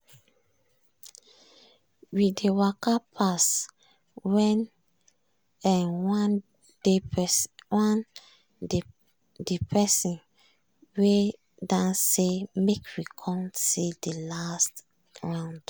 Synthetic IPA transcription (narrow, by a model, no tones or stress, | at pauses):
widewakapʰas | wɛn | ɛ̃nwa | de | wãn | depʰɛsĩn | we | dãnsːemekwikʰɔ̃msidelast | ɹãw̃nd̥